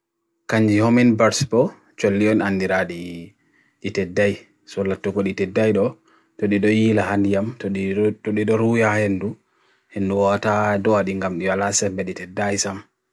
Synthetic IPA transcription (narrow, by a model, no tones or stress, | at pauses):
kaɲd͡ʒihominbaɾsbɔ | t͡ʃolːiɔnandiɾaɗi | ɗitɛdːaj | sɔlatːukɔɗitɛdːajɗɔ | tɔɗiɗɔjilahandijamtɔɔɗiɗɔɾujahenːdu | henduwɔtadɔwaɗiŋɡamɗiwalasɛmbɛɗitɛdːajsam